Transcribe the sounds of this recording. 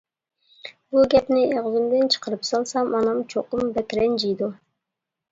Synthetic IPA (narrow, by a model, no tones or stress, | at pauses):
buɡʲɛpnɪeʁzɪmd̪ɪnt͡ʃʰə̥qəɾɨpsɑlˠsɑmɑnɑmt͡ʃʰoqʊmbɛkʲɾɛnd͡ʒijd̪u